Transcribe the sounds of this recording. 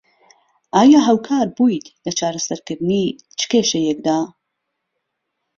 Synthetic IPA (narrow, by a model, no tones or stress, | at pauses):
ʔaːjaːɦawkʰaːɾbuːjt̪lɐt͡ʃʰaːɾɐsɐɾkɨɾd̪ɨni | t͡ʃʰɨ̥keːʃɐjɛk̚d̪aː